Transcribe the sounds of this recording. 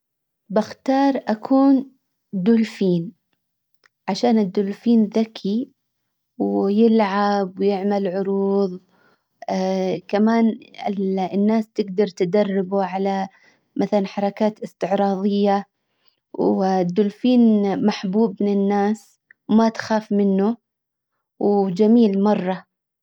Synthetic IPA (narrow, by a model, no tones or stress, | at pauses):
bɪxt̪ɑːɾˤʔakʰuːn | d̪ʊlfiːn | ʕaʃaːnɪd̪ːʊlfiːnðakʰi | wjɪlʕabwjɪʕmalʕʊɾuːðˤ | kamaːnɪlnːaːst̪ɪɡd̪ɑɾˤt̪ɪd̪ɑrˤːɪbuʕala | mʔaθalanħɑɾˤɑkaːt̪ɪst̪ɪʕɾˤɑːðˤɪjːa | wd̪ːʊlfiːnmaħbuːbmɪnɪnːaːs | wmat̪xaːfmɪnːʊ | wd͡ʒamiːlmɑrˤːɑ